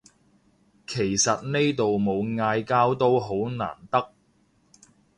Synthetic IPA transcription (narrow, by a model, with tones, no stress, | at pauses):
kʰe˨˩jsɐ˨t̚ne˥jt̪o˨wmo˨˧wŋaː˧jkaː˥wt̪o˥wɦo˨˥wna̰ː˨˩nt̪ɐ˥k̚